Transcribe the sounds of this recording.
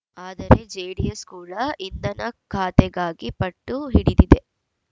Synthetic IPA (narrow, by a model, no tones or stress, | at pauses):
aːd̪ɐɾe̞d͡ʒejɽijɐskuːlɐʔind̪ɐnɐkʰaːt̪ɛɡaːɡipɐʈːuɦiɽid̪id̪e̞